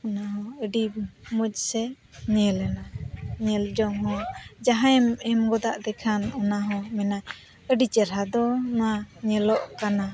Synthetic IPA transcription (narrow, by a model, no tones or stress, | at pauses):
ɔnaɦɔ̃əɖimɔc̚ˀsɛ | ɲɛlɛnaɲɛld͡ʒɔŋɦɔ̃d͡ʒaɦãɛmɛmɡɔd̪aʔd̪ɛkʰanɔnaɦɔ̃mɛna | əɖit͡ʃɛɾɦad̪ɔnɔwaɲɛlɔʔkana